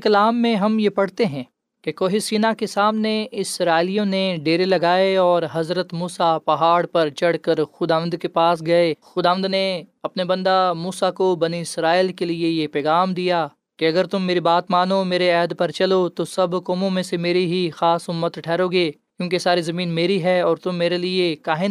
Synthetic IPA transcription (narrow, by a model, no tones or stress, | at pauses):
kɐlaːmːẽɦɐmjepɐɽ̤t̪eɦɛ̃ː | kekoːɦɪsiːnakesaːmneɪsɾaːɪlijõneɖeːɾelɐɡaːeɔːɾɦɐzɾət̪muːsapɐɦaːɽpɐɾt͡ʃɐɽ̤kəɾxʊd̪aːʋə̃nd̪kepaːsɡɐexʊd̪aːʋə̃nd̪neɐpnebɐ̃nd̪amuːsakobɐniɪsɾaːɪlkeliejepɛːɣaːmd̪ijaː | keɐɡəɾt̪ʊmːeːɾibaːt̪maːnomeːɾeɛːd̪pɐɾt͡ʃɐlot̪osɐbkoːmõmẽsemeːɾiɦixaːsʊmːət̪ʈʰɛːɾoːɡeːkjũːkesaːɾizɐmiːnmeːɾiɦɛɔːɾt̪ʊmːeːɾeliekaːɦɪn